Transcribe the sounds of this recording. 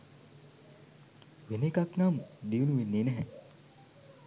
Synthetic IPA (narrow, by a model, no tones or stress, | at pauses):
ʋenekaknamd̪iunuʋenːenɛɦɛ